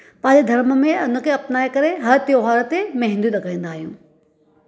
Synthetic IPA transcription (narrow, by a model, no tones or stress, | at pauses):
pɐ̃ːɪ̃ɲd͡ʑed̪ʱɐɾmə̆mẽʊn̤ə̆kʰeɐpnaːekɐɾeɦɐɾt̪joːɦaːɾət̪emɐ̃ɦɪ̃nd̪juɗ̪ɐɡaĩːn̆d̪aːɦijũː